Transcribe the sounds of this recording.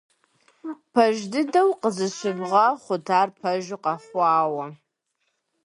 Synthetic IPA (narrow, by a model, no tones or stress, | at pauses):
pʰɐʒdɨdɐwqəzɨɕʷɨbʁɐχʷʊtʰaːrpʰɐʒɪqɑfʷɑːwɐ